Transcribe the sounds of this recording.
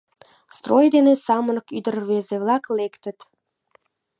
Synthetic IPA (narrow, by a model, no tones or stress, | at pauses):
st̪rojd̪enesɑmənə̆kyd̪ərβezeβlɑklekt̪ə̆t̪